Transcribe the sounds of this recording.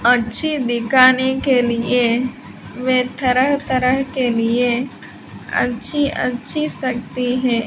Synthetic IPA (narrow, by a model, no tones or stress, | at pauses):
ɐtːʃʰid̪ɪkʰaːnekelie | ʋeːt̪əɾəɦt̪əɾəɦkelie | ɐ̰tːʃʰiʔɐ̰tːʃʰisɐk̚t̪iɦɛ̃ː